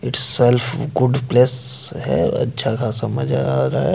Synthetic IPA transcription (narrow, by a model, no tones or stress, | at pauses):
ɪʈzsɛlfɡʊɖplesɦɛ̰ɐ̰tːʃʰakasɐməd͡ʒ̰ʱaɾa̰ɦɛ